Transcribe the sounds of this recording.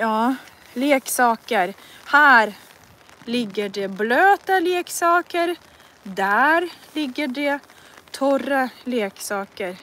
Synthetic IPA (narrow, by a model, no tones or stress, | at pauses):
jɑː | leːksɑːkəɾ | hæːɾ | lɪɡːəɖɛbløːt̪aleːksɑːkəɾ | d̪æɾlɪɡːəɖɛ | t̪ʰɔɾaleːksɑːkəɾ